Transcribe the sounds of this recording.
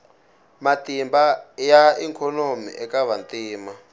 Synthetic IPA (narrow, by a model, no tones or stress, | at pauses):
matimbajaiŋkʰɔnomḭʔɛkaβantiːma